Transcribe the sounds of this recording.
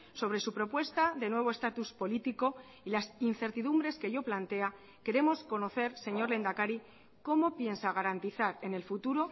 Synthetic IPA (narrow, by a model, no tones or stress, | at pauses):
so̞β̞ɾe̞supɾo̞pwe̞st̪aðe̞nwe̞β̞o̞e̞st̪at̪uspo̞lit̪iko̞ | ilasinθe̞ɾt̪iðumbɾe̞ske̞ʝo̞plant̪e̞a | ke̞ɾe̞mo̞sko̞no̞θe̞ɾse̞ɲo̞ɾle̞nd̪akaɾi | ko̞mo̞pje̞nsaɣ̞aɾant̪iθaɾe̞ne̞lfut̪uɾo̞